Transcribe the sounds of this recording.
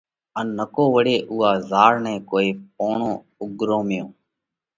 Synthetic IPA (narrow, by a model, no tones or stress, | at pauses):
ənːəkoːʋəɽeːʔʊːɦaːzaːɾnɛ̃ːkoːiːp̚oːɳõː | ʊɡɾõːmɪjõː